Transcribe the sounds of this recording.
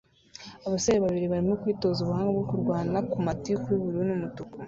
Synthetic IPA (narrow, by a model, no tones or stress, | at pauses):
aβasajeβaβiɾiβaɾimo̞kwiːto̞zuβuhaːŋɡebɡokuɾɡwaːnakumatikwiβuɾinumutuku